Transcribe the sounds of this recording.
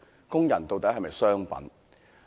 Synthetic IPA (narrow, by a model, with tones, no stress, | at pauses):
kʊ˥ŋjɐ˨˩nt̪o˨wt̪ɐ˨˥ɦɐ˨jmɐ˨jsœː˥ŋpɐ̰˨˥n